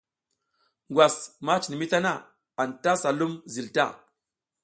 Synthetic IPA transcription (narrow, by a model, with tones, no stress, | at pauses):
ŋɡwa˨sma˦t͡ʃi˨ni˨mi˦ta˦na˦˨ | a˨nta˦sa˨lu˦mzi˨lta̰˦˨